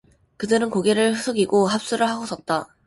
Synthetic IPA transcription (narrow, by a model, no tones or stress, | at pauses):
kɯdɯɾɯnkoɡeɾɯɭɸɯsʰoɡiɡoɦap̚s͈uɾɯɭɦaɡosʰʌt̚t͈a